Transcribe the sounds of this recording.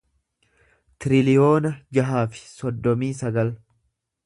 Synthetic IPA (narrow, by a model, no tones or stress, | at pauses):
t̪ɪɾɪlɪjo̞ːnɐd͡ʒɐɦaːfɪ̥sɔd̪ːɔmiːsɐɡɐl